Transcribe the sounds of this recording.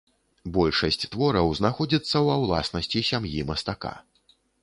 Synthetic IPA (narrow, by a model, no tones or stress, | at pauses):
bɔlʲʂɐsʲt͡sʲt̪vɔɾɐwznaxɔd͡zʲit̪sːɐwɐwlˠa̰snɐsʲt͡sʲisʲamjimɐst̪aka̰